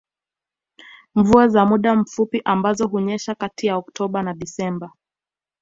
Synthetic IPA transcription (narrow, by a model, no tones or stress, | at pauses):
ɱvuazamuɗam̩fupiʔambazɔɦuɲɛʃakatijaɔktʰɔɓanaɗisɛmba